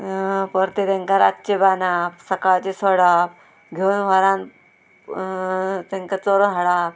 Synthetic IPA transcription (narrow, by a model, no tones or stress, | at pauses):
pəɾt̪et̪ẽŋkaɾat̪ːt͡ɕebanapsəkaɭt͡ɕesɔɽap | ɡʱeunʋ̤aɾãn | t̪ẽŋkat͡soɾoɦəɽap